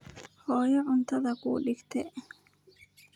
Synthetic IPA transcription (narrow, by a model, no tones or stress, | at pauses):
hoːjɛʕʊnt̪ɐðɐkṵːᶑɪkt̪ɛʔ